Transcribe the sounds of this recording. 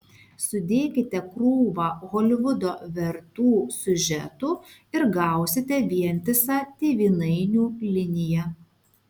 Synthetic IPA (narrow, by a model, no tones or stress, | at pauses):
sʊd̪ʲeːkʲɪt̪ʲɛkɾuːʋɑːɣoːlʲɪʋʊd̪oːʋʲɛɾt̪uːsʲʊʒʲɛ̰t̪uːɪɾɡɑˑʊsʲɪt̪ʲɛʋʲiɛnʲt̪ʲɪsɑːt̪ʲiːʋʲiːnɐɪnʲuːlʲɪnʲɪjɛ